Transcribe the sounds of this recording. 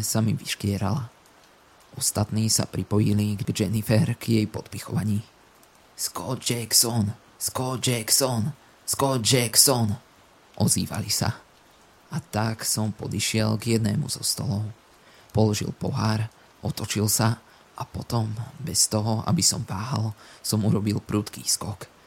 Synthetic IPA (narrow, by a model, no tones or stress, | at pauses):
samiʋiʃkɪɛɾala | ʔɔst̪at̪niːsa̰pɾipɔjiliɡɡd͡ʒɛnifɛɾɡ̥jɛjpɔt̪pixɔʋaɲiː | skɔd͡ʒɛksɔn | skɔd͡ʒɛksɔn | skɔd͡ʒɛksɔn | ʔɔzḭːʋa̰lisa̰ | at̪aksɔmpɔd̪iʃɪɛlɡjɛd̪nɛ̰ːmṵzɔst̪ɔlɔʊ | pɔlɔʒḭlˠpɔɦaɾ | ʔɔt̪ɔt͡ʃilsa | ʔapɔt̪ɔmbɛst̪ɔɦɔa̰bisɔmvaːɦalˠsɔmuɾɔbilpɾuːt̪kḭːskɔk